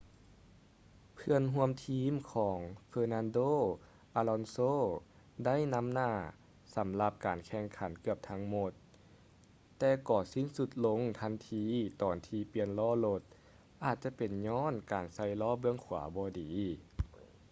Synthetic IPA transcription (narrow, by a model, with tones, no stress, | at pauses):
pʰɯ˧ənɦu˧əmt̪ʰiː˧˥mkʰɔː˨˩˦ŋfɤː˧na˧ndoː˥˨ | ʔaː˧lɔ˧nsoː˧˥˨ | da˥˨jna˧˥˨mnaː˧˩ | sa˨˦mla˧p̚kaː˨˩nkʰɛː˧˩ŋkʰa˨˩˦nkɯ˧˩əp̚t̪ʰa˧˥ŋmo˧˥t̪ | ɛː˧kɔː˨˩si˧˥˨nsu˧t̪̚lo˧˥ŋt̪ʰa˧˥nt̪ʰiː˧t̪ɔː˨˩nt̪ʰiː˧pi˧ənlɔː˧˥˩lo˧t̪̚ | ʔaː˨˩t̪̚t͡ɕa˧˦pe˨˩nɲɔː˧˥˨nkaː˨˩nsa˧˥˩jlɔː˧˥˨bɯ˧əŋkʰuː˨˩˦bɔː˧˦diː˨˦